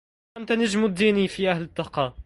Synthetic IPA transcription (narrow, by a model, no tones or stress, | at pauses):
ʔant̪anad͡ʒmʊd̪ːiːniːfiːʔahlɪt̪ˤːɑqɑː